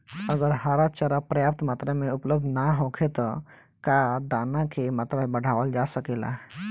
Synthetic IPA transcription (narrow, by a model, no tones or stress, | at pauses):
əɡəɾɦaɾat͡ʃəɾapɾəjap̚t̪mat̪ɾemeupləb̚d̪ʱnaɦõkʰet̪ɔ | kad̪anakemat̪ɾabəɽ̤ʱaʋəld͡ʒasəkela̰